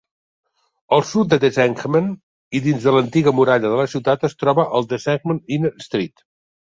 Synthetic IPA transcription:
əlˠsut̪̚d̪əd̪ezɛŋkmən | iðinzðələnt̪iɣəmuɾaʎəðələsiwt̪at̪əst̪ɾɔβəʔəlˠd̪əzɛkməninst̪ɾit̪

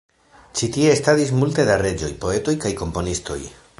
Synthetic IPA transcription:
t͡ʃitie̞ːstadis̬multe̞daɾe̞d͡ʒo̞̰jpo̞e̞to̞jkajko̞mpo̞nisto̞̰j

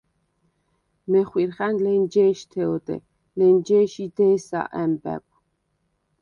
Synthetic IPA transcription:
mɛχwiɾχænlɛnd͡ʒɛːʃt̪ʰɛɔt̪ʼɛ̰ | lɛnd͡ʒɛːʃid̪ɛːsa̰ʔæmbæ̰kʷʼ

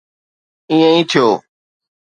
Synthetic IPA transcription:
ĩːə̃ĩːt̪ʰɪjoː

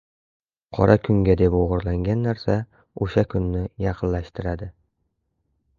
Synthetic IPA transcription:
qʰɒɾʔakʰʊŋɡʲad̪epoʁʊɾlaŋɡʲanːaɾsa | oʃakʰʊnːɪjɑqʰɨnlaʃt̪ʰɪɾad̪ɪ

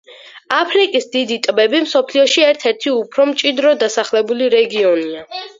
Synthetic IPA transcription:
apʰɾikʼisd̪id̪it̪ʼbɛbimsɔpʰliɔʃiɛɾt̪ʰɛɾt̪ʰiupʰɾɔmt͡ʃʼid̪ɾɔd̪asaχlɛbuliɾɛɡiɔnia

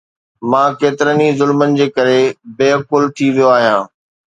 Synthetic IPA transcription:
mãːkeːt̪ɪɾənizʊlmənɪ̆d͡ʑeːkɐɾebeːkʊlt̪ʰiʋijoaːɦijãː

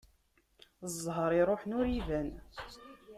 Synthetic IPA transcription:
əzˤɦəɾˤiɾˤoħnʊɾivæn

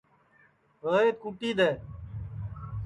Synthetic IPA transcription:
ɦəːeːt̪kuːʈiːd̪eː

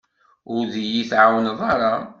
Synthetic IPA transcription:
ʊɾðijiθʕawnðˤɑɾˤɑ

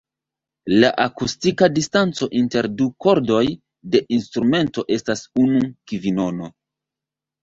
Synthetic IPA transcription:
laʔakustikadistant͡so̞ʔinte̞ɾduko̞ɾdo̞j | de̞ʔinstɾume̞nto̞ʔe̞stasunukivino̞no̞

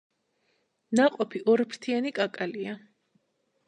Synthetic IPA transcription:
naqʼɔpʰiʔɔɾpʰɾt̪ʰianikʼakʼalia

